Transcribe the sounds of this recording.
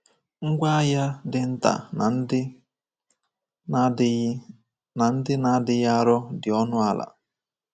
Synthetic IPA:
ŋ̩˦ɡʷa˦a˦ja˦dɪ˨n̩˦ta̰˨˦ | na˨n̩˦dɪ˦na˦dɪ˨ja˦ɾɔ˦dɪ˨ɔ˦nʊ˦a˨la̰˨

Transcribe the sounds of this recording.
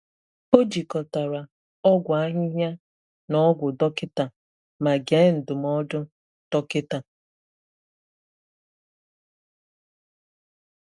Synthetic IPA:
o˦d͡ʒi˨kɔ˨ta˨ɾa˨ | ɔ˦ɡʷa˦ɦɪ˦ɦa˦ | nɔ˨˦ɡʷʊ˨dɔ˦kɪ˦ta˨ | ma˨ɡe˨˦n̩˨dʊ˨mɔ˦dʊ˦ | tɔ˦kɪ˦ta˨

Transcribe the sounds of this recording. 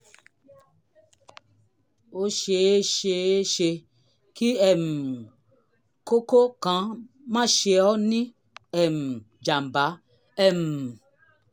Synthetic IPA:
wo˦ʃe˧e˦ʃe˧e˦ʃe˧ | ki˦ɛ˨m̩˨ | ko˦ko˦kã˨˦ | mã˦˨ʃe˧ɔ˦nĩ˦ | ɛ˨m̩˨ | d͡ʒa˨m˨ba˨˦ | ɛ˦˨m˨

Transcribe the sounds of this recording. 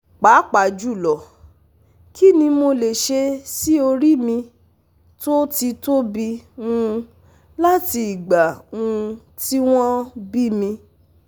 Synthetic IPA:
k͡pa˨˦k͡pa˨d͡ʒu˦˨lɔ˨ | ki˦nĩ˧mo˧le˨ʃe˧si˦o˧ɾi˦mĩ˧ | to˦ti˧to˦bi˧ũ˧ | la˦ti˧i˨ɡ͡ba˨ũ˧ | ti˦w̃ɔ̃˦bi˦mĩ˧

